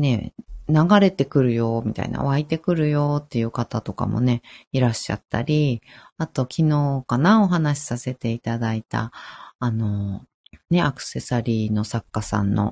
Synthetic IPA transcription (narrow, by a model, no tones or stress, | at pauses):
ne̞naɡaɾe̞t̪e̞kɯ̟ɾɯ̟jo̞ːmʲit̪a̰ḭna̰βait̪e̞kɯ̟ɾɯ̟jo̞ːt̪ːe̞jɯ̟ːkat̪at̪o̞ka̰mo̞̰ne̞iɾaɕːa̰t̪ːa̰ɾʲiat̪o̞kʲino̞ːkanao̞ɦanaɕi̥sase̞t̪e̞it̪ad̪ait̪a̰ːno̞ | ne̞akɯ̟̥se̞saɾʲiːno̞sakːasã̰nːo̞̰